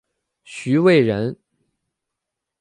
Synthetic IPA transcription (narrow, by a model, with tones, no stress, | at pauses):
ɕy˧˥we˥˩ɪɻə˧˥n